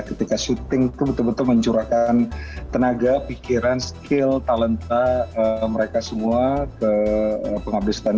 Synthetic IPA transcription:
kət̪ikasut̪ɪŋt̪ubət̪ʊlbət̪ʊlməɲt͡ʃuɾakant̪ənaɡapikiɾanskɪlt̪alənt̪aəməɾekasəmuakəəpəŋabɪsk̪an

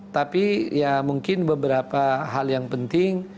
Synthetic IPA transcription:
t̪apijamuŋkɪnbəbəɾapaɦaljaŋpənt̪ɪŋ

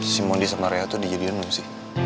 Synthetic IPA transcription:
simɔndisamaɾeat̪udid͡ʒadianluŋsɪh

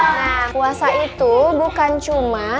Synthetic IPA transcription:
akuasaʔit̪ubukant͡ʃuma

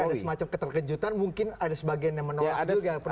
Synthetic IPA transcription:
adasəmat͡ʃamkət̪ərkəd͡ʒut̪anmuŋkɪnadasəbaɡianjaŋmənoladuɡapə

